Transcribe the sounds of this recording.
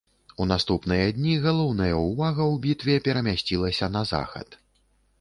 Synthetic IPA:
unast̪upnɨjɐd̪ʲnʲiɣalˠɔwnɐjɐuvaɣɐwbʲit̪vʲɛpʲɛɾɐmʲasʲt͡sʲilˠɐsʲɐnɐza̰xɐ̰t̪

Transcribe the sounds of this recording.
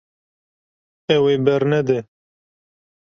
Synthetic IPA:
ɛwebɛɾnɛd̪ɛ

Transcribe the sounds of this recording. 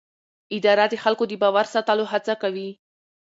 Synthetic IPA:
ɪd̪ɑɾad̪əxalkod̪əbɑwaɾsɑt̪aloɦat͡sakawi

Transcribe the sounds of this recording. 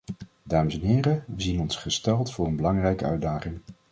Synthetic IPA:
daːməsɛnɦɪːrəʋəzinɔnsχəstɛlˠtfʊːɹənbəlɑŋrɛjkəœ̰ɥdaːχɪŋ

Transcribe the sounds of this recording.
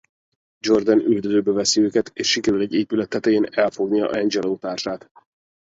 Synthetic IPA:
d͡ʒo̞rd̪ɛnyld̪øzøːbɛvɛsiøːkɛt̪eːʃːikɛɾylɛɟːeːpylɛt̪ʰːɛt̪ɛjeːnɛlfo̞ɡnijɒ̰ʔɛnd͡ʒɛloːt̪aːrʃaːt̪

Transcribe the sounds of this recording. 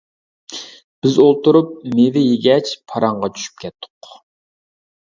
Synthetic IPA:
b̥ɪzolˠt̪uɾup̚med̪ɪjeɡʲɛt͡ʃpʰɑɾɑɴʁɑt͡ʃʰy̥ʃy̥p̚kʲʰɛt̪ʰːʊ̥q

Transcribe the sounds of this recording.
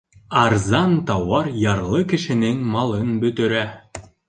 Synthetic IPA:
ɑɾzɑnt̪ɑwɑɾjɑɾlˠɤkɘ̆ʃɘ̆nɘŋmɑlˠɤnbɵ̆t̪ɘ̆ɾæ

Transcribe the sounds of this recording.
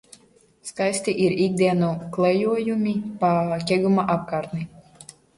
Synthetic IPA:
skajsʲt̪iʔiɾiɡ̚d̪iɛnuklˠɛjuɔjumʲipakʲɛɡumaʔap̚kaːɾt̪ni

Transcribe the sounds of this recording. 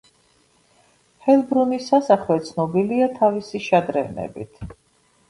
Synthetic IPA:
χɛlˠbɾunisasaχlɛt̪sʰnɔbiliat̪ʰavisiʃad̪ɾɛvnɛ̰bḭt̪ʰ

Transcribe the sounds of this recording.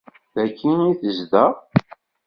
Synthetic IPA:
ðækːiniθəzðæ

